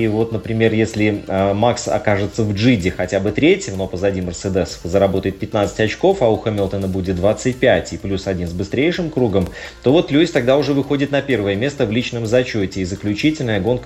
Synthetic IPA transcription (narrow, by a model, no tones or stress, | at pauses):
ivo̞t̪nəpɾʲɪmʲe̞rjesʲlʲɪmaksɐ̰kaʐɨt̪səvʐɨdʲɪxɐtʲabɨt̪ɾʲetʲjɪmnopəzɐdʲimʲərsɛd̪ɛsə̥fəzəɾɐbo̞t̪əjɪt̪̚pʲɪt̪nat̪sɨ̥tʲɐt͡ɕko̞fɐʊxəmʲɪlˠt̪ənəbudʲɪt̪̚d̪vat̪sɨt̚ʲpʲætʲɪplʲusɐdʲinzbɨst̪ɾʲejʂɨmkɾuɡəm | t̪o̞vo̞t̪lʲudʲɪt̪ɐɡ̚d̪aʊʐɛvɨxo̞dʲɪt̪nɐpʲe̞rvəjəmʲe̞st̪əvlʲit͡ɕnəmzɐt͡ɕo̞tʲɪːzəklʲʉt͡ɕitʲɪlʲnəjəɡo̞nkə